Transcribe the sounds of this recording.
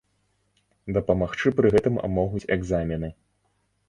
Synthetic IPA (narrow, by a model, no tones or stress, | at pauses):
d̪ɐpɐmaxt͡ʂɨpɾɨɣɛt̪ɨmmɔɣut͡sʲɛɡzamʲɛnɨ